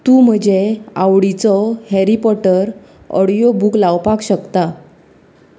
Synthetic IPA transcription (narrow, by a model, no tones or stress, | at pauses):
t̪uːm̤əd͡ʑeawɽit͡sɔheɾipɔʈəɾ | ə̰ɽjobuːklawpakɕəkt̪a